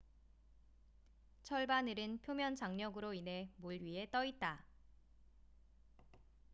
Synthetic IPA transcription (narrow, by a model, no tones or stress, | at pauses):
t͡ɕʰʌɭbanɯɾɯnpʰjomjʌnd͡ʑaŋɲʌɡɯɾoinɦe̞moɭɥiɦe̞t͈ʌit̚t͈a